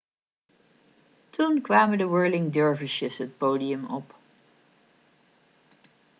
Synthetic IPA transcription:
tunkʋaːmədəwɜɹlɪŋdøɹvəʃəsɦət̚poːdiəmɔp

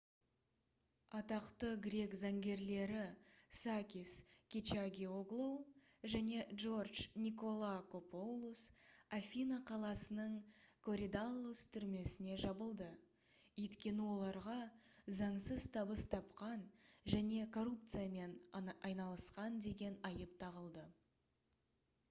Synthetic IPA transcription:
ɑt̪ɑqt̪əɡɾʲe̞kzɑŋɡʲe̞ɾle̞ɾɪsakʲiskʲit͡ʃaɡʲioɡlˠow | ʒæne̞ʒo̞rdʒnʲiko̞lˠako̞po̞wlˠusafʲinaqʰɑlˠɑsənəɴkʰo̞ɾʲid̪alˠːust̪ʰʏɾme̞sɪne̞ʒɑbəlˠd̪ə | ɵjt̪kʲe̞nɪwo̞lˠɑɾʁɑ | zɑɴsəzt̪ʰɑbəst̪ʰɑpqɑnʒæne̞kʰo̞rup̚t̪sɨijame̞nɑjnɑlˠəsqɑnd̪e̞ɡʲe̞nɑjəp̚t̪ʰɑʁəlˠd̪ə

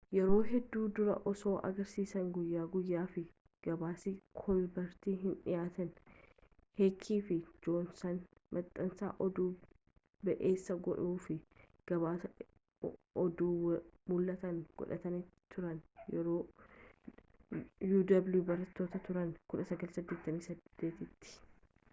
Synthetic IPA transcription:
jɛɾo̞ːɦɛd̪ːuːd̪ʊɾɐ̰ʔɔso̞ːʔɐ̰ɡɐɾsiːsɐŋɡʊjːaːɡʊjːaːfɪ | ɡ̥ɐbaːsɪkʰɔlbɐɾt̪iːɦɪnᶑɪ̰jaːt̪ɐn | heːkʰːiːfɪd͡ʒoːnsɐn | mʔɐt̪ʼːɐnsa̰ːʔɔd̪uː | bɛʔeːsːɐɡɔᶑuːfɪ | ɡ̥ɐbaː | ɔd̪uːwmʊlːɐt̪ɐŋɡ̥ɔ̰ᶑɐ̰t̪ɐnɪt̪ʰʊɾɐnjɛɾoː | juːd̪ɐbljubɐɾɐt̪ːoːt̪ɐt̪ʊɾɐnkʊᶑɐsɐɡɐlsɐd̪ːe̞ːt̪ːɐmiːsɐd̪̥ːe̞ːt̪ɪt̪ːɪ̥

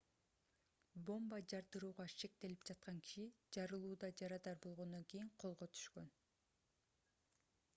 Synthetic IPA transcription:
bo̞mbɑd͡ʒɑɾd̪ɯɾuːʁɑʃe̞k̚t̪e̞lipd͡ʒɑt̪̚qɑŋkʰi̥ʃid͡ʒɑɾɯlˠuːd̪ɑd͡ʒɑɾɑd̪ɑɾbo̞lˠʁo̞nd̪o̞ŋkejiɴqʰo̞lˠʁot̪ʰy̥ʃkø̞n

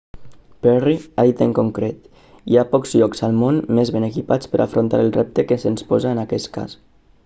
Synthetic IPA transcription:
pɛriaðit̪əŋkuŋkɾet̪ | iapɔkzʎɔkzalˠmonmezβenəkipat͡spəɾʔa̰fɾont̪a̰ɾəlˠrɛp̚t̪əkəsənspɔzaənakɛst̪ka̰s

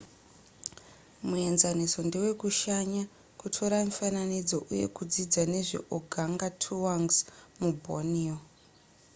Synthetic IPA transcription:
mue̞nzaniso̞ndiwe̞kuʃaɲa | kutʰo̞ɾamufananid͡zo̞ʔuje̞̰kud͡zid͡zane̞ʐḛʔoɡʱaŋɡatʰuwaŋɡzmubʱo̰nio

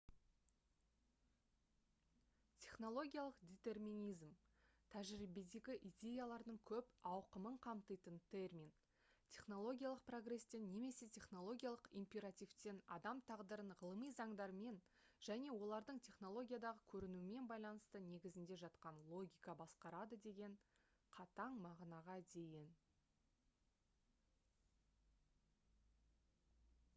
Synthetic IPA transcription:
t̪ʲʰe̞χno̞lˠo̞ɡʲijalˠəqd̪ʲet̪e̞rmʲinʲijzm | t̪ʰæʒɾibed̪e̞ɡʲɪʔid̪ʲe̞jalˠɑɾd̪əɴkʲʰɵpɑwqəməɴqʰɑmt̪əjt̪ənt̪ʲʰe̞rmʲin | t̪ʲʰe̞χno̞lˠo̞ɡʲijalˠəq̚pro̞ɡɾe̞st̪e̞nːe̞me̞se̞t̪ʲʰe̞χno̞lˠo̞ɡʲjalˠəqimpʲe̞ɾat̪ʲift̪e̞nɑ̰d̪ɑmt̪ʰɑʁd̪əɾəɴʁəlˠəmijzɑɴd̪ɑɾme̞nʒ̥æne̞wo̞lˠɑɾd̪əɴt̪ʲʰe̞χno̞lˠo̞ɡʲijad̪ɑʁəkʲʰɵɾɪnuɪme̞nbɑjlˠɑn̪əst̪əne̞ɡʲɪzɪnd̪e̞ʒɑt̪qɑnlˠo̞ɡʲijkɑbɑsqɑɾɑd̪əd̪e̞ɡʲe̞ɴ | qʰɑt̪ɑɴmɑʁnɑʁɑd̪e̞jɪn

